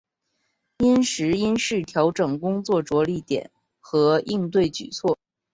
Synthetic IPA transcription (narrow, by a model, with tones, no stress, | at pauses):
i˥nʂɻ̩˧˥i˥nʂɻ̩˥˩t̪ʰjɑ˧˥ʊʈ͡ʂɤ˨˩ŋkʊ˥ŋt͡swɔ˥˩ʈ͡ʂwɔ˧˥li˧˩t̪jɛ̰˨˩˦n | xɤ˧˥i˥˧ŋt̪̬we˥˩ɪt͡ɕy̰˨˩t͡sʰwɔ˥˩